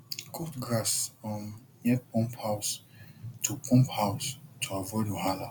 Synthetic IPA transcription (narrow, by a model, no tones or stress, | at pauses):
kʰɔtɡɹasɔ̃n | jɛpɔ̃mphawstʰupʰɔ̃mphaʊstʰuavɔjduɦala